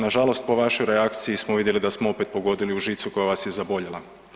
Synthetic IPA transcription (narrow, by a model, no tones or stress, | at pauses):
naʒalˠo̞st̪̚po̞ʋaʃo̞jɾeakt̪sijismoʋid̪jelid̪asmoo̞pet̪̚po̞ɡo̞d̪iliuʒiːt̪suko̞jaʋasje̞zabo̞ʎela